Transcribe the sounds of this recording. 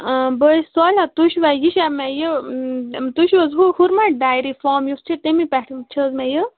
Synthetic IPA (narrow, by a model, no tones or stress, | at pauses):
bəjsɔlat̪uʃʋajiʃamɛ̃jə | t̪uʃʋəzɦuhuɾmaɖaːjɾifɔːmjust͡ʃʰit̪emipɛʈʰit͡ʃʰəzmɛ̃jə